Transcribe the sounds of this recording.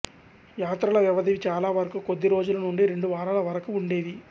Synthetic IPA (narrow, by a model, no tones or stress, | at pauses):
jaːt̪ɾɐlɐʋjɐʋɐd̪iʋit͡ʃaːlaːʋɐɾɐkukod̪ːiɾo̞ːd͡ʒulɐnuɳɖiɾe̞ɳɖuʋaːɾalɐʋɐɾɐkuːɳɖe̞ːd̪i